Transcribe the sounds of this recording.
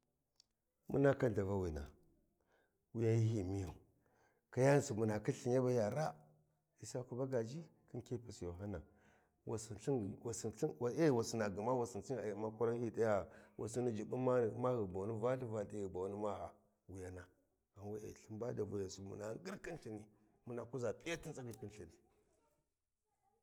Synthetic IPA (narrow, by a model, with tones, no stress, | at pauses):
mṵ˦na˦ka˦nda˨va˦wi˨na̰˨ | wi˦ja˦ji˦ɦi˨mi˦ja˨ | ka˦ja˦n˦su˨mu˨na˨ki˦ɬi˨n˦a˦ba˦ja˨ɾa˦ | i˨sa˦ku˨˦ba˦ɡa˨d͡ʒi˦ki˦nke˦pa˨so˨ɦa˦na˨ | wa˨si˨ɬi˦˨wa˨si˨ɬe˦˨wa˨si˨na˨ɡə˨ma˦wa˨si˨n˨si˦a˨jma˦ku˦ɾa˦hi˦da˦ja˦wʔa̰˨si˦ni˦d͡ʒi˨ɓu˦ma˦˨˦ma˦ɣi˨ba˨ni˦va˦ɬi˦va˨ti˦ɣi˨ba˨wni˦ma˦ha˨ | wu˨ja˨na˨ | a˨nwa˦ḛ˨ɬi˦mba˦da˨vu˨ja˨su˨mṵ˨na˨˦ɡi˦ɾki˦nɬi˨ni˦ | mu˨na˨ku˦za˨pi˦ja˦ti˦nt͡sa˦ɡi˨ki˦nɬi˨ni˨